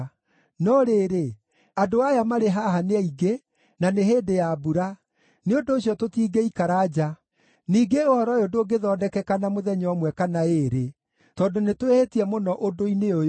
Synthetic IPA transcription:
nɔɾeɾe | adoajamaɾeɦaɦaneaiɡe | naneɦeːdejabuɾa | neondoːɕjɔtotiːɡeikaɾad͡ʑa | niːɡeohɔɾɔjodoːɡeðɔdɛkɛkanamoðɛɲɔɔmwɛkanaeɾe | tɔndonetwehetiɛmonɔʔodoineo

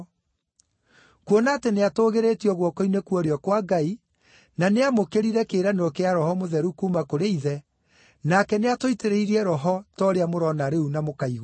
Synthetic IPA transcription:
kwonateneatoːɣeɾetiɔɣwɔkɔinekuɔɾeɔkwaɡai | naneamokeɾiɾɛkeːɾaneɾɔkeaɾɔhɔmoðɛɾukumakoɾeiðɛ | nakɛneatoiteɾeiɾiɛɾɔɦɔtɔɾeamoɾɔnaɾeunamokaiɣ

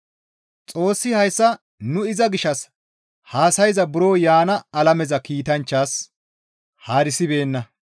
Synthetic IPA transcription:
t͡sʼo̞ːsːɪhɐjsːɐ | nʊɪzɐɡɪʃɐs | haːsɐjzɐbʊɾoːjaːnɐːlɐmɛzɐkiːt̪ɐnt͡ʃːaːs | haːɾɪsɪbe̞ːnːɐ

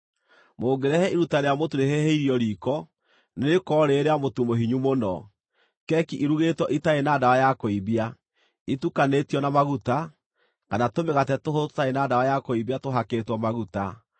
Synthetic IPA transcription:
moːɡeɾɛhɛiɾutaɾeamotuɾeɦeɦeiɾiɔɾikɔ | nekɔɾeɾeamotumoɦiɲumonɔ | kɛkiʔiɾuɣetwɔʔitaenaːdawajakoiβia | itukanetijɔnamaɣuta | kanatomeɣatɛtoɦotaenaːdawajakoiβiatoɦaketwɔmaɣuta

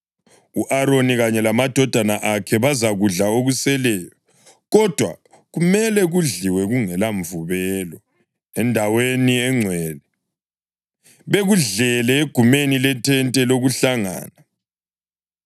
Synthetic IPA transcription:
uʔaɾoniɣaɲɛlamad̥ʱɔd̥ʱanaʔakʰɛβazaɣuɮaoɣusɛlɛːjɔ | ɣɔd̥ʱwa̰ | ɣumɛlɛɣuɮiwɛɣuŋɛlaɱvuβɛlɔ | ɛndʱaweniɛŋ͡ǀʱwɛːlɛ | βeɣuɮɛlɛeɡ̥ʱumenilɛtʰɛntʼɛloɣuɬaŋa̰ːna

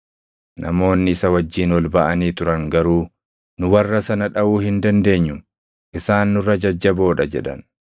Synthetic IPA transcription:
nʔɐ̰mo̞ːnːɪɪsɐwɐd͡ʒːiːnwɔlbɐʔɐniːt̪ʊɾɐŋɡɐɾuː | nʊwɐrːɐsɐnɐᶑɐuːhɪnd̪ɐnd̪e̞ːɲːʊ | ʔɪsaːnːʊɾɐd͡ʒɐd͡ʒːɐbo̞ːᶑɐd͡ʒɛ̰ᶑɐ̰n

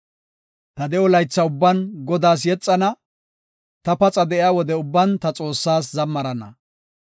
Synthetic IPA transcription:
t̪ɐd̪ɛɔlɐjt͡sːɐʊbːɐnɡɔd̪aːs̬jɛt͡sʼːɐnɐ | t̪ɐpɐt͡sʼɐd̪ɛʔɪaːwɔd̪ɛʊbːɐnt̪ɐt͡sʼo̞ːsːaːs̬zɐmːɐɾɐnɐ

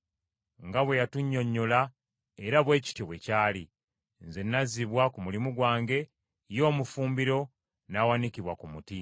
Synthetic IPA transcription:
ŋɡaβwe̞jatuɲːo̞ɲːola | eɾaβwe̞ːci̥tjoβwe̞caːli | nzenːaziβwakumulimuɡwaːŋɡe̞ | jo̞ːmufuːmbiɾo̞ | naːwanikiβwakumuti

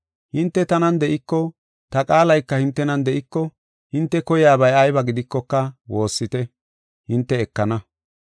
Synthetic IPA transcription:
hɪnt̪ːɛt̪ɐnɐnd̪ɛʔɪkːɔ | t̪ɐkʼaːlɐjkːɐhɪnt̪ːɛnɐnd̪ɛʔɪkːɔ | hɪnt̪ːɛkɔjɪaːbɐjɐjbɐɡɪd̪ɪkːɔkːɐwo̞ːsːɪt̪ɛ | hɪnt̪ːɛːkːɐnɐ

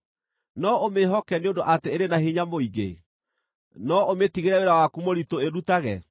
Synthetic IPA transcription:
nɔomeɦɔkɛneondoʔateeɾenaɦeɲamoiɡḛ | nɔometiɣeɾɛweɾawakumoɾitoeɾutaɣɛ̰

